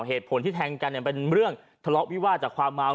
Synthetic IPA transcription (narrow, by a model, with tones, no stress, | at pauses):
ɦeː˨˩t̪̚pʰo˨˩˦nt̪ʰiː˥˩t̪ʰɛː˧ŋka˧nːi˧˩pe˧nɾɯ˥˩əŋ | t̪ʰa˧lɔ˦˥ʔwi˦˥waː˥˩t̪̚t͡ɕaː˨˩kʰwaː˧mːaː˧